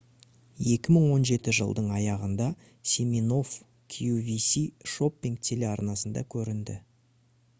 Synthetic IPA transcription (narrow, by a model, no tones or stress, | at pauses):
je̞kʲɪməɴwo̞nʒe̞t̪ɪʒə̰lˠd̪əɴɑjɑʁənd̪ɑ | sʲemino̞f | kʲʰijuvisiʃo̞pʲːiŋk̚t̪ʲʰe̞le̞ɑɾnɑsənd̪ɑ̰kʲʰɵɾɪnd̪ɪ̰